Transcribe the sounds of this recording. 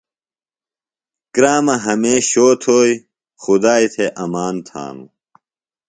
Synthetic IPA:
kɾaːmɐɦɐmeːɕoːt̪ʰoːi | xud̪aːit̪ʰeʔɐmaːnt̪ʰa̰ːnṵ

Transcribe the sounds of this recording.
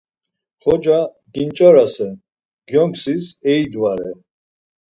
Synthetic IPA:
χɔd͡ʒa | ɡint͡ʃʼɔɾasɛ | ɡ̥jɔŋksisɛid̪waɾɛ

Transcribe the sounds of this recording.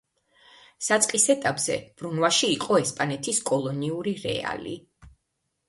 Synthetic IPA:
sat̪sʼqʼisɛt̪ʼapʼz̥ɛ̰b̥ɾunvaʃiːqʼɔɛspʼanɛt̪ʰiskʼɔlˠɔniuɾiɾɛ̰a̰lḭ

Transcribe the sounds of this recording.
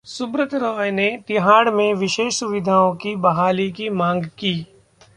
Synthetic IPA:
sʊbɾət̪ʰɾɔːjnet̪ɪɦaːɽmẽʋɪʃeːʃsʊʋɪd̪ʱaːõkibɐɦaːlikimãːŋɡkiː

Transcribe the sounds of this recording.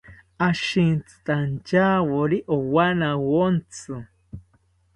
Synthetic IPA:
aʃint͡sɨ̥t̪ʼant͡ʃawoɾiʔowanawont͡sɨ

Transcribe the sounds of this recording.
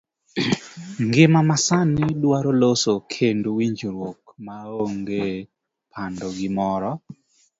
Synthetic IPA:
ŋɡɪmamasanːɪdwaɾolosokʰendowiɲd͡ʒɾwokmaoŋɡe | pʰandɔɡɪmɔɾɔ

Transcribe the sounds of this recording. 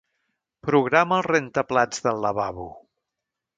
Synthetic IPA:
pɾuɣ̞ɾaməlˠrent̪əplad͡zðəlˠːəβaβu

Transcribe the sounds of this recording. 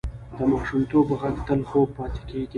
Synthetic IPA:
d̪əmɑʃumt̪obɣakt̪əlxob̚pɑt̪e̥keɡi

